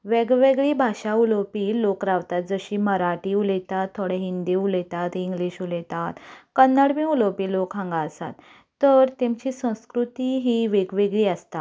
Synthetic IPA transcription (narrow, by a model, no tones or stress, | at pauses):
ʋeɡʋeɡɭibʱaɕaulopiːlokɾaʋt̪at̪̚d͡zəɕiːməɾaʈiːulɛt̪at̪ʰːoɽɛɦind̪iulɛt̪at̪iŋɡliːɕulɛt̪at̪kənːaɽmĩuləpiːlokɦãŋɡaəsa̰t̪ː | əɾt̪emt͡ɕisə̃w̃skɾut̪iɦiːʋeɡʋeɡɭiːəst̪a